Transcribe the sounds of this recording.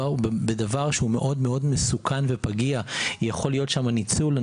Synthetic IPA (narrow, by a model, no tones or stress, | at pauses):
bedavaʁʃeume̞ʔo̞dmeo̞dmesukʰanve̞paɡiajaχo̞lijotʃamanit͡sula